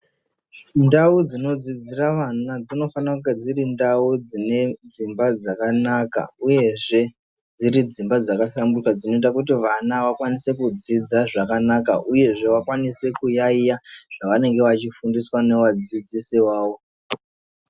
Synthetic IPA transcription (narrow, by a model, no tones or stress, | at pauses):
ndaud͡zino̞d͡zid͡ziraʋanad͡zino̞fanakuɡed͡zirindaud͡zine̞d͡zimbad͡zakanaka̰uje̞ʐe̞ | d͡ziɾid͡zimbad͡zakaʃambukad͡zino̞itakutiʋanaʋakwanise̞kud͡zid͡zaʐakanaka̰ʔuje̞ʐe̞ʋakwanise̞kujaijaʐ̥aʋane̞ŋɡe̞ʋat͡ʃifundiswane̞ʋad͡zid͡zisiwaːwo̞